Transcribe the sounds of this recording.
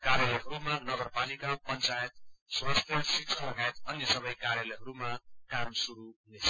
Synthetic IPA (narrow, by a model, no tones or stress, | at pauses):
kaɾjalʌɦʌɾumanʌɡʌrpalikapʌnt͡sajet̪̚swast̪ʰjʌsisʰʌlʌɡajet̪ʌnjʌsʌbʌjkaɾjʌlɛɦʌɾumakamsuɾunet͡sʰʌ̥